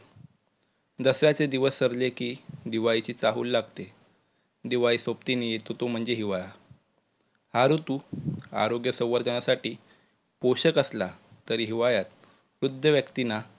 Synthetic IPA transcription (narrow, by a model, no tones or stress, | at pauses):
d̪əsɾjat͡sed̪iʋəsːəɾlekiːd̪iʋajit͡ɕiːt͡saɦṵːlːaɡt̪e | d̪iʋaisopt̪inejet̪ot̪om̤əɳd͡zeɦiʋaja | haɾut̪uːa̰ɾoɡjəsəwʋəɾd͡ʑənasaʈiː | poɕəkəslat̪əɾiɦiʋajat̪ | ʋɾud̪ʱːəʋjəkt̪ina